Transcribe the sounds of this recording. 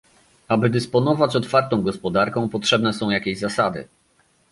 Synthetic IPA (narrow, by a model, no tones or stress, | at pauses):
abɘd̪ɘspɔnɔvat͡ɕɔt̪faɾt̪ɔ̃w̃ɡɔspɔd̪aɾkɔ̃w̃pɔtʂɛbnɛsɔ̃w̃jakʲeʑzasad̪ɘ̰